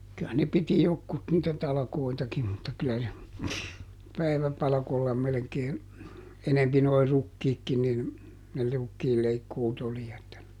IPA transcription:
kyæ ne piti jokːut niːtæ tɑlɑ̆koitɑkim mutːɑ kylæ se pæiʋæpɑlɑ̆kolːɑ melĕkeː enempi noi rukːiːkːi nin ne rukːiːlːeikːuːt oli etːæ

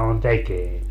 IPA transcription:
on tekeil

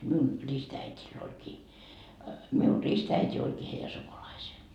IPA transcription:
miun ristæitil olʲkiː miun ristæitʲi olkiː heijæ sukulɑiseː

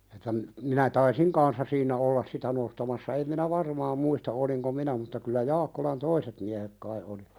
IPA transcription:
etːæ m minæ tɑisiŋ kɑnsːɑ siːnæ olːɑs sitæ nostɑmɑsːɑ em minæ ʋɑrmɑːm muistɑ oliŋko minæ mutːɑ kylːæ jɑːkːolɑn toiset miæhek kɑi oli

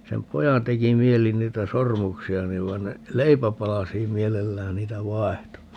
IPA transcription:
sem pojɑn teki mieli niːtæ sormuksiɑ niʋ ʋɑi̯n ne leipæpɑlɑsiːm mielelːæːn niːtæ ʋɑehto

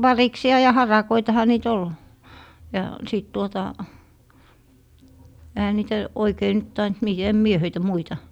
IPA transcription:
ʋɑriksiɑ jɑ hɑrɑkoitɑhɑ niːt ol jɑ siˑt tuotɑ ehæ niːtæ oikei nyt tɑint mi em mie høitæ muitɑ

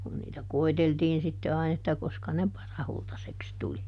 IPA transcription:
kun niːtæ koiteltiːn sitːe ɑin etːæ koskɑ ne pɑrɑhultɑseks tuli

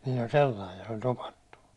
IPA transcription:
niːlː olʲ selːɑij jɑ se olʲ topɑtːu

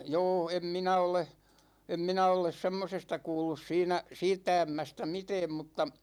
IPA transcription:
jo̝ː em minæ ole em minæ oles semːosestɑ kuːlːus siːnæ siːtːæ æmːæstæ mitɛːm mutːɑ

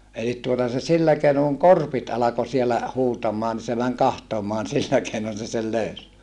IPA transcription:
elit tuotɑ se silːæ keinoŋ kuŋ korpit ɑlɑko sielæ huːtɑmˑɑː ni se mæŋ kɑhtomoɑn silːæ keinon se sel løys

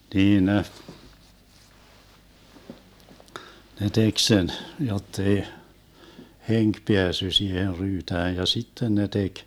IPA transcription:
niːn ne ne tek sen jotːei heŋk peæsːy siːher ryːtæːj jɑ sitːen ne tek

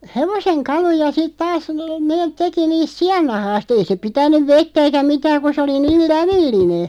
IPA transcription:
heʋoseŋ kɑlujɑ sit tɑːs neːt̆ teki niːst siɑnːɑhɑːst ei se pitænˑyʋ ʋetːæ eikæ mitæːŋ̆ ku se oli niːl læʋilːine

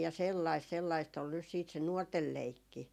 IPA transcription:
jɑ selːɑist selːɑist ol nys siːt se nuortel leikːi

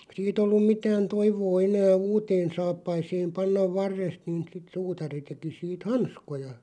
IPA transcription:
siːt olːum mitæːn toiʋoː enæː uːteːn sɑːpːɑiseːm pɑnːɑʋ ʋɑrːest niːn̞ sit suːtɑri teki siːt hɑnskojɑ

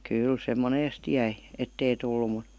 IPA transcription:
kyl se moneːst jæi etːei tulːu mu

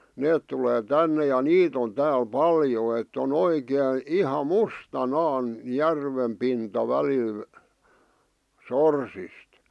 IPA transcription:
neːt tuleː tænːe jɑ niːt on tæːl pɑljo etː on oikeˑĭ ihɑ mustɑnɑːn jærʋem pintɑ ʋælil sorsist

